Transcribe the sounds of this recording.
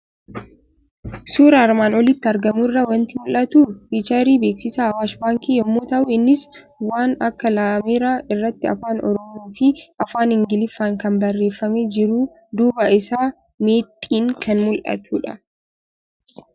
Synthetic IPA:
suːɾɐːɾmaːnɔlɪt̪ːɪɐɾɡɐmʊɪrːɐwɐnt̪ɪmʊlʔɐt̪uːfit͡ʃɐɾiːbeːksɪsaːɐwaːʃbaːŋkiːjɔmːoːt̪ɐʔuːɪnːɪs | waːnɐkːɐlaːmeːɾaːɪrːɐt̪ːɪɐ̰faːnɔ̰ɾɔmoːfɪʔɐfaːnhɪŋɡɪlɪfːaːŋkɐnbɐrːe̞ːfːɐmed͡ʒɪɾuː | d̪uːbɐʔɪsaː | me̞ːt̪ʼːiːŋkʰɐnmʊlʔɐ̰t̪uːᶑɐ

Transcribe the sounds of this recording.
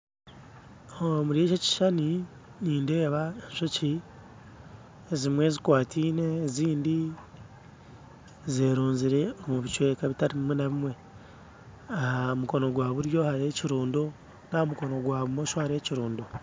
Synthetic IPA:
omuɾie̞ːcoci̥ʃani | niːnde̞ːβae̞nʃoci | ezimwe̞zikwaːtʰiːne̞ːziːndi | zeːɾuːnziɾe̞omuβit͡ʃwe̞ːkaβitaɾiβimwe̞naβimwe̞ | ahamuko̞no̞ɡwaːβuɾjo̞haɾe̞ːciɾuːndo | naomuko̞no̞ɡwaːβumoːʃohaɾe̞ːciɾuːndo

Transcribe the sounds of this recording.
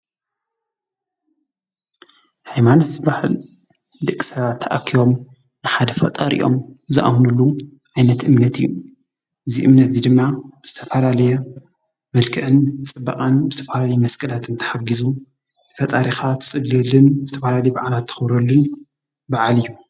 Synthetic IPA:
hajmanot̪baħl | d̪ɨʔkʼːi̥sɐβat̪ʰːɐaʔakʰːiβo̞m | nɨħad̪ɐfɐ̰t̪ʼɐɾʔḭjʔo̞̰mzɨʔa̰mnulːu | ʕajnɐt̪ʔɨmnɐt̪ʰɨ̰jːu | ʔɨzḭʔɨmnɐt̪zid̪ɨmːaz̥ɨt̪ʰɐfɐlalɐjɛ | mɐlkʰɨʕɨnt͡sʼɨbːɐkʼanbzɨt̪ʰɐ̥fɐlalɐjɛmɐskʼɐlat̪ɨnt̪ʰɨ̥ħaɡizu | fɐt̪ʼaɾixat̪ʰɨ̥sʼɨɡlɛlːɨnzɨt̪ʰɐfɐlalɐjɛbaʕalat̪ʰːɨ̥xɨβɾɐlːun | baʕalijːu

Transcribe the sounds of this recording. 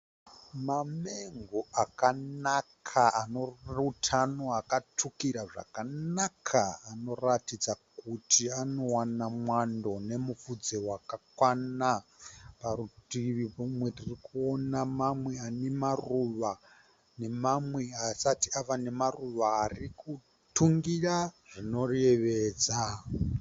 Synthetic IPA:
mameŋɡoakanakkʰaanoutʰano̞akatʰukiɾaʐa̰kanakʰaano̞ratid͡zakutʰiano̞wanamwando̞ne̞mufud͡zewakakwanaparutiʋipumwe̞ririkuonamamwe̞ane̞maruʋa | ne̞mamwe̞asatiaʋane̞maruʋaːriku | tuŋɡiraʐ̥ino̞reʋeːd͡za

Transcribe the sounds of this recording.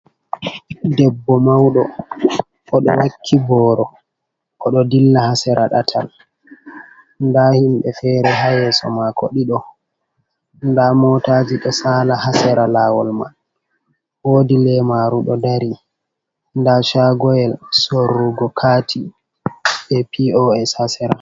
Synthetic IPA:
dɛbːɔmawɗɔ | kɔɗɔ̰wakʰːibɔːɾɔ | kɔɗɔdilːahasɛɾʔaɗatʰa̰l | ndahimɓɛfɛɾɛɦajɛsɔ̰makʰoɗiɗɔ | ndamɔtad͡ʒiɗɔsaːlahasɛɾalaːwɔlma̰n | woːdilɛmaɾuɗɔdaɾi | ndaʃaɡɔjɛlsorːuɡɔkʰatʰi | ɓɛpiɔɛshasɛɾa

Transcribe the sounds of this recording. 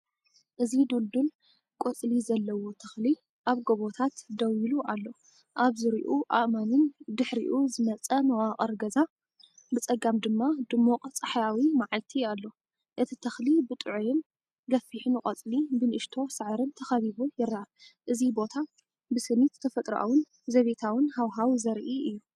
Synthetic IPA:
ʔɨzid̪uld̪un | kʼot͡sʼlizɐlːɐwot̪ʰɐxli | ʔaβɡoβot̪ʰat̪d̪ɐwiluʔalːo̞ | ʔaβzɨɾiʔuʔaʔmanɨnd̪ɨħɾḭʔuzɨmɐt͡sʼɐmɐwaqʼɐɾɡɐza | bɨt͡sʼɐɡamd̪ɨmːad̪ɨmːuqʼt͡sʼɨħajawimaʕalt̪ʰialːo̞ | ʔɨt̪ʰit̪ʰɐxlibɨt̪ʼɨʕujɪn | ɡɐfiħinɨkʼɐt͡sʼlibɨnʔɨʃt̪ʰo̞sɨʕɾɨnt̪ʰɐxɐβiβujɪɾːaaʔɨzibo̞t̪ʰa | bɨsɨmit̪t̪ʰɐfɐt̪ʼɾʔa̰wʊn | zɐβet̪ʰawɨnhawɦawzɐɾʔiʔɨjːu

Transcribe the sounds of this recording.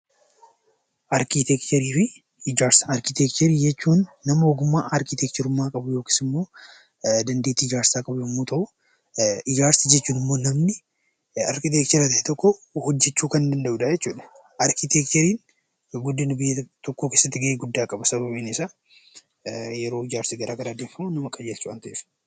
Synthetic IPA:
ʔɐɾkit̪ɛkt̪ɐɾiːfɪ | ɪd͡ʒaːɾsɐɐɾkɪt̪ɛkt̪ɛɾiːd͡ʒɛt͡ʃːuːnːɐmɐoːɡʊmːaːʔɐɾkɪt̪ɛk̚t͡ʃ̪ɛɾʊmːaːkʼɐbʊjo̞ːki̥ːsɪmːo̞ː | d̪ɐnd̪et̪ːiːɪd͡ʒaːɾsaːkʼɐbʊmːoːt̪ɐʔʊ | ɪd͡ʒaːɾsɐd͡ʒɛt͡ʃːuːnɪmːoːnɐmnɪ | ɐ̰ɾkɪt̪eːkt͡ʃ̪ɛɾɐt̪ɐhɛt̪ɔkːɔhɔd͡ʒːɛt͡ʃːuːkɐnd̪ɐnd̪ɐʔuːᶑad͡ʒɛt͡ʃːuːᶑɐ̥ | ʔɐɾkɪt̪ek̚t͡ʃ̪ɛɾiːn | ɡɔd̪ːɪnʊbɪjːɐt̪ɔkːoːke̞ːsːɐt̪ːɪɡɐʔeːɡʊd̪ːaːkʼɐbɐsɐbɐbiːnɪsaː | jɛɾo̞ːɪd͡ʒaːɾsiɡɐɾʔaːɡɐɾaːd̪eːɱfɐmʊnɐmɐkʼːɐd͡ʒeːlt͡ʃːuɐnt̪ɐʔeːf

